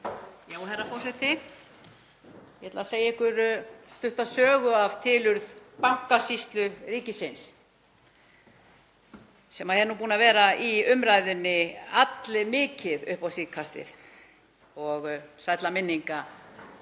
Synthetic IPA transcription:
jaːwɦɛrafɔrsɛt̪ɪ | jɛhɛt̪laðaseːjɛhkʏɾst̪ʏht̪aðsœːɣʏav̥t̪ʰɪlʏɾðpaŋ̥kasist̪lʏriːcɪsɪns | sɛmahɛɾnuːp̬uːnavɛːɾaʔiʏmɾaːjðʏnːɪat̪lɪmɪːcɪðʏhpawsiːkʰast̪ɪ̰θ | ɔɣsajt̪lamɪnːiŋka

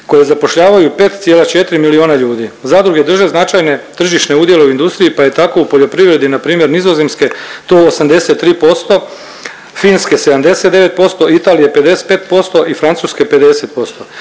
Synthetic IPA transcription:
ko̞je̞zapo̞ʃʎaːʋajupe̞ːt̪t̪sjelat͡ʃet̪ɾimilioːnaʎuːd̪izad̪ɾuɡe̞d̪r̩ʒe̞znat͡ʃajne̞t̪r̩ʒiʃneud̪je̞le̞uind̪ust̪ɾiipaje̞t̪ako̞upo̞ʎo̞pɾiʋɾe̞d̪inapɾiːmje̞ɾnizo̞ze̞mske̞t̪oːosamd̪e̞se̞t̪ːɾiːpo̞st̪o̞ | fiːnske̞sed̪amd̪e̞set̪d̪e̞ʋe̞t̪̚po̞st̪o̞it̪aːlije̞pe̞d̪ese̥t̪̚pe̞ːt̪̚po̞st̪o̞ʔifɾant̪suːske̞pe̞d̪e̞se̞t̪̚po̞st̪o

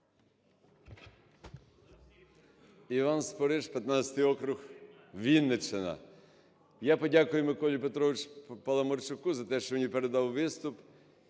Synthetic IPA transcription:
iʋɑnspɔɾɪʃpʲjɐt̪nat͡ssʲɐ̥t̪ɪjɔkɾʊx | ʋʲinːet͡ʃenɐ̰ | japɔdʲakʊjʊmɪkɔlʲip̬et̪ɾɔʋɪt͡ʃpɐlˠɐmɔrt͡ʃʊkuzɐt̪ɛʃt͡ʃɔʋnʲipeɾed̪ɑwʋɪst̪ʊp

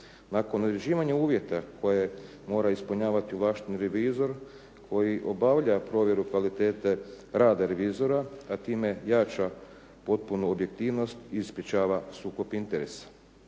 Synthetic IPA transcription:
nako̞nod̪ɾed͡ʑiːʋaɲauːʋje̞t̪akʰo̞je | mo̞ːɾaispuɲaːʋat̪iuʋlaːʃt̪inɾeʋizo̞ɾ | kʰo̞jiʔo̞baʋʎapɾo̞ːʋje̞ɾukʋalit̪e̞ːt̪e | ɾaːd̪aɾe̞ʋizo̞ɾaat̪iːme̞jat͡ʃa | po̞t̪̚punuobje̞k̚t̪iːʋno̞st̪iispɾʲjet͡ʃaːʋasuːko̞pint̪eɾḛsḁ

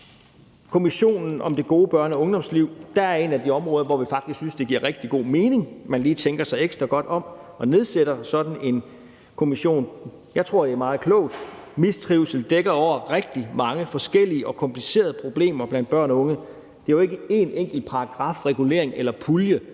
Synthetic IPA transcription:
kʰo̝miɕo̝̰ːnn̩ɒ̽md̥e̝ɡ̥o̝ːb̥ɶɐnɒɔ̽ŋd̥ɒ̽msliʊ̰d̥æɐæɐe̝næd̥iɒ̽mʁɔːðˠɐʋɒʋifɑ̈ɡ̥d̥isɡ̥synsd̥e̝ɡ̥iɐ̰ʁɛɡ̥̚d̥iɡ̥o̝̰ːme̝ːne̝ŋmænliːt͡sʰeŋɡ̥ɐsɑ̈ɪeɡ̥sd̥ʁɐɡ̥ɒ̽d̥ɒ̽m | ɒ̽ne̝ð̞ˠseɾ̥ɐsɒ̽d̥n̩e̝n | kʰo̝miɕo̝̰ːn | jɑ̈ɪt͡sʰʁo̝ɐ̰d̥eæɐmɑ̈ːð̞̩ˠkʰlɔ̰ʊ̰d̥mist͡sʰʁiːʊlsəl̩d̥eɡ̥ɐɒʊ̰ɐʁɛɡ̥̚d̥imɑ̈ŋəfɒ̽sɡ̥el̰iəʔɒ̽kʰɒ̽mpʰlise̝̰ːɐðˠəpʰʁo̝b̥le̝̰ːmɐb̥læn̰d̥b̥ɶɐ̰nɒɔ̽ŋə | d̥e̝æjoe̝ɡ̥əe̝neŋ̰ɡ̥l̩d̥̚pʰɑ̈ɑ̈ɡ̥ʁɑ̈fʁɛɡ̥ule̝̰ɐ̰eŋʔelɐpʰuljə

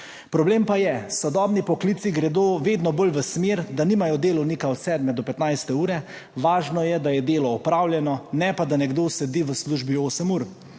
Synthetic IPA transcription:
pɾɔbleːmpajɛsɔd̪ɔːbnipɔkliːt̪siɡɾɛd̪oːʋeːd̪nɔbolʋəsmeːɾd̪aniːmajɔd̪eːlɔwnikaɔt̪sɛːd̪mɛd̪ɔpɛt̪najst̪ɛuːɾɛ | ʋaːʒnɔjɛd̪ajɛd̪eːlɔɔpɾaːwlʲjɛnɔnɛpad̪anɛɡd̪oːsɛd̪iːʋəsluːʒbioːsəmuːɾ

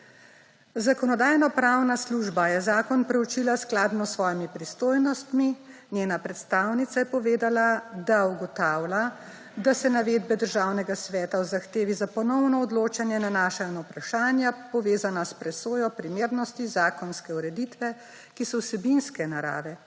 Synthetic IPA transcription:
zakɔnɔd̪aːjnɔpɾawnasluʒbajɛzaːkɔnpɾɛwt͡ʃilasklaːd̪nɔsʋɔːjimipɾist̪oːjnɔst̪mi | njeːnapɾɛt̪st̪aːwnit̪sajɛpɔʋeːd̪alad̪auɡɔt̪aːwla | d̪asɛnaʋeːd̪̚bɛd̪əɾʒaːwnɛɡasʋɛːt̪awzaxt̪eːʋizapɔnɔwnɔɔd̪loːt͡ʃanjɛnanaːʃanɔwpɾaʃaːnjapɔʋeːzanaspɾɛsoːjɔpɾimeːɾnɔst̪izaːkɔnskɛuɾɛd̪it̪ʋɛ | kisɔwsɛbinskɛnaɾa̰ːʋɛ

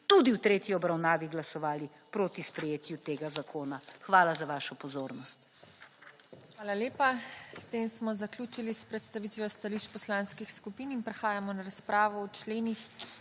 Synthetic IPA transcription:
t̪ud̪iwt̪ɾeːt̪jiɔbɾawnaːʋiɡlasɔʋaːli | pɾoːt̪ispɾɛjeːt̪jut̪eːɡazakʰoːnaxʋaːlazaʋaːʃɔpɔzoːɾnɔst̪ | xʋaːlaljeːpast̪eːmsmɔzaklʲuːt͡ʃilispɾɛt̪st̪aʋiːt̪ʋjɔst̪aliʃt͡ʃpɔslaːnskixskupiːninpɾɛxaːjamɔnaɾaspɾaːʋɔwt͡ʃleːnix

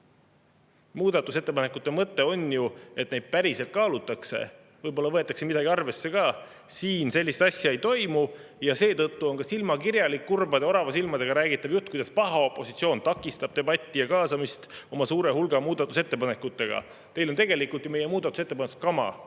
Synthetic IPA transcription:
muːd̪̥ɑt̪ːˑuse̞t̪ːe̞pɑnekːˑut̪ːe̞mɤt̪ːe̞o̞nʲjue̞t̪ne̞jd̪̥̚pæɾise̞lt̪̚kɑːlut̪ːˑɑkse̞̰ | vɤjbo̞lːɑvɤe̞t̪ːˑɑkse̞mid̪ɑɡ̥iɑrve̞sːe̞kɑː | siːnse̞lʲːist̪ɑsʲjɑe̞jt̪o̞jmujɑse̞ːt̪ɤt̪ːuo̞nkɑsilmɑkiɾjɑlikːurbɑd̪e̞o̞ɾɑvɑsilmɑd̪e̞ɡ̥ɑɾæːɡ̥it̪ːˑɑvjut̪ːkujd̪ɑspɑɦɑo̞pːˑo̞si̥t̪sio̞ːnt̪ɑkːˑist̪ɑb̥̚t̪ebɑt̪ʲːijɑkɑːsɑmist̪o̞mɑsuːɾe̞ɦulɡ̥ɑmuːd̪̥ɑt̪ːˑuse̞t̪ːe̞pɑne̞kːˑut̪ːˑe̞ɡ̥ɑ̰ | t̪e̞jlo̞nt̪e̞ɡe̞likult̪jume̞je̞muːd̪ɑt̪ːˑuset̪ːepɑnst̪kɑmɑ̰

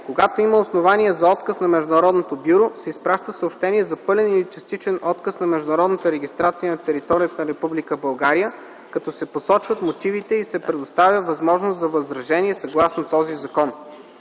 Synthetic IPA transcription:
koɡat̪oiməosnovaniɛzɐɔt̪kəsnɐmɛʒd̪ʊnɐɾɔd̪not̪obʲjuɾosɛispɾaʃt̪əsəoːpʃt̪ɛniɛzɐpɤlʲɛnilit͡ʃɛst̪it͡ʃɛnɔt̪kəsnɐmɛʒd̪ʊnɐɾɔd̪nət̪əɾɛɡ̟ʲist̪ɾat̪siənɐt̪ɛɾit̪ɔɾijət̪ənɐɾɛpublikəbɐlˠɡaɾijə | kɐt̪ɔsɛposɔt͡ʃvət̪mot̪ivit̪ɛisɛpɾɛd̪ost̪avʲjəvɐzmɔʒnoszɐvɐzɾɐʒɛniɛsɐɡlˠasnot̪ɔzizɐkɔn

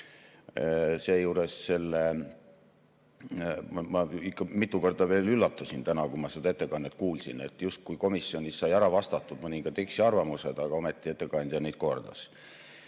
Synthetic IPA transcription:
se̞ːjuːɾesːe̞lːe | mmɑikːɑmit̪ːˑuko̞rd̪ɑve̞ːlylːɑt̪ːusint̪ænɑkumɑsed̪ɑe̞t̪ːekɑnːet̪ˑkuːlsḭne̞̰t̪ːˑjust̪̚kujko̞misːjo̞nʲisːɑjæɾɑvɑst̪ɑt̪ˑːud̪̥mɤnʲiŋɡ̥ɑd̪eksiɑrvɑmuse̞d̪̥ɑɡ̥ɑo̞met̪ˑːie̞t̪ːˑe̞kɑnʲd̪̥ʲjɑnejd̪̥̚ko̞rd̪̥ɑ̰s

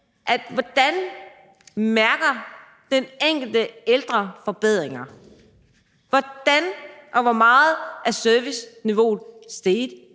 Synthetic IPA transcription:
ʔæd̥ʋɒd̥æn | mæɐɡ̥ɐ | d̥eneŋ̰ɡ̥l̩d̥əeld̥ʁɐfɒ̽b̥eð̞̰ˠʁeŋɐ | ʋɒd̥ænʔɒ̽ʋɒmɑ̈ːð̩ˠʔæɐsøɐʋisniʋo̝̰ːð̩ˠsd̥eːdˠ

